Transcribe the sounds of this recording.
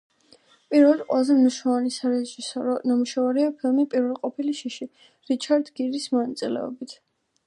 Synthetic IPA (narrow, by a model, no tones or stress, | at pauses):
pʼiɾvɛldqʼwɛlˠazɛmniʃnɛvanisaɾɛʒisɔɾɔnamuʃavaɾiapʰilˠmipʼiɾvɛlˠqʼɔpʰiliʃiʃi | ɾit͡ʃʰaɾd̪ɡiɾismɔnat̪sʼilɛ̰ɔ̰bit̪ʰ